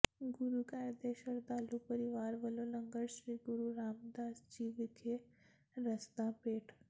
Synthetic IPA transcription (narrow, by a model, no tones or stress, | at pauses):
ɡʊɾukaːɾd̪eːʃəɾd̪aːlupəɾɪʋaːɾʋəloləŋɡəɾʃɾiːɡʊɾuɾaːmd̪aːsd͡ʒiːʋɪkʰe | ɾəst̪ãpeːʈʰ